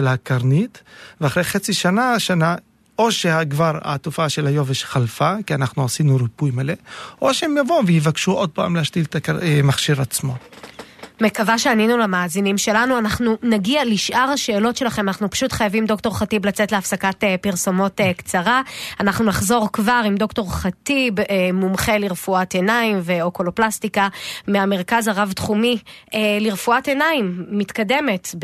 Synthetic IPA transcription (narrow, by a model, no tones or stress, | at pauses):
elakaʁnitveaχɾejχet͡siʃanaʃana | o̞ʃehaɡvaʁa̰t̪ufaʃelajo̞veʃχalfakianaχnuasinuɾipujmaleʔoʃeemjavovehivakʃuʔod̚pa̰ːmleaʃtiltakaemaχʃiʁat͡smo̞ | me̞kavaʃeaninulamaːzinimʃe̞lanuanaχnunaɡialiʃʔaʁhaʃeːlo̞tʃe̞laχemanaχnupḁʃutχajavimdo̞kto̞ʁχatiblat͡setle̞afsakatepiʁso̞mo̞tekt͡saʁaanaχnunaχzo̞ʁkvaʁimdo̞kto̞ʁχatibemumχe̞liʁfuatenaimveokoloplastikameame̞ʁ̞kazaʁavtχumieliʁfuathe̞naimːitkade̞me̞t